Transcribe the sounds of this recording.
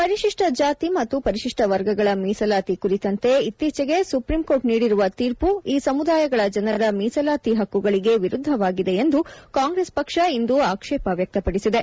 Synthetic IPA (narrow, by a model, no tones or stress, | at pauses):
pɐɾiʃiʂʈɐd͡ʒaːt̪imɐt̪ːupɐɾiʃiʂʈɐʋɐɾɡɐɡɐɭɐmiːsɐlaːt̪ikuɾit̪ɐnt̪e̞it̪ːiːt͡ʃɛɡe̞supɾimkoːɾʈniːɽiɾuʋɐt̪iːɾpuiːsɐmud̪aːjɐɡɐɭɐd͡ʒɐnɐɾɐmiːsɐlaːt̪iɦɐkːuɡɐɭiɡe̞ʋiɾud̪ʱːɐʋaːɡid̪e̞end̪ukaːŋɡɾespɐkʂɐind̪uaːkʂɛːpɐʋjɐk̚t̪ɐpɐɽisid̪e̞